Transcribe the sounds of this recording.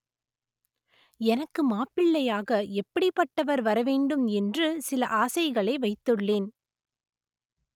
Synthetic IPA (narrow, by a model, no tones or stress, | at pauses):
ɛnɐkːɯmaːpɪɭːɐjaːɣɐɛpːɐɽɪpːɐʈːɐʋɐɾʋɐɾɐʋeːɳɖɯmɛndrɯsɪlɐʔaːsɐɪɣɐɭɐɪʋɐɪt̪ːɯɭːeːn